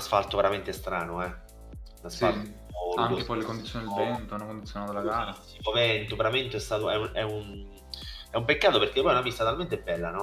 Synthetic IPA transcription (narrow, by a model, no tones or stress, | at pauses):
asfalt̪oveɾament̪est̪ɾaːnoɛ | lasfalt̪ | ɔaŋːkepɔjlekond̪it̪sjonid̪elvɛnt̪onakond̪it̪sjonat̪olaɡaːɾa | imovɛnt̪oveɾament̪oɛst̪aːt̪oɛunɛun | ɛumpekːaːt̪operk̟epɔjunapist̪at̪alment̪ebːɛlːanɔ